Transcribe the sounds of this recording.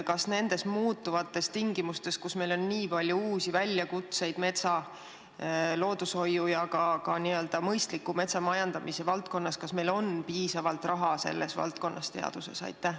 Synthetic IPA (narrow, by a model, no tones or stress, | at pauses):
kɑsne̞nd̪e̞smuːt̪ːˑuvɑt̪ːˑe̞st̪iŋɡimust̪e̞skusme̞jlo̞nːniːpɑlʲjuuːsivælʲːjɑkut̪se̞jd̪̥me̞t̪sɑ | lo̞ːd̪̥usho̞jːujɑkɑkɑniø̞ld̪̥ɑmɤjst̪likːˑume̞t̪sɑmɑjɑnd̪̥ɑmise̞vɑlt̪ko̞nːɑskɑsme̞jlo̞npiːsɑvɑlt̪ˑrɑɦɑse̞̰lːʔe̞svɑ̰lt̪̚ko̞nːʔɑ̰st̪e̞ɑ̰d̪̥use̞̰sɑ̰jt̪ːˑæh